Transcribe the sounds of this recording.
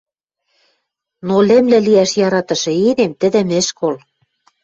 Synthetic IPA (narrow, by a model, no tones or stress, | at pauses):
nolĕmlɘ̆liæʃjɑɾɑt̪ɤ̆ʃɤ̆enemt̪ɘ̆d̪ɘ̆mɘ̆ʃkol